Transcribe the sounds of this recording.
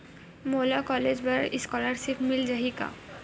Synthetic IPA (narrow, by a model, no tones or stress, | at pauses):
molakɔled͡ʑbaiskɔlaɾsipʰmild͡ʑaɦika̰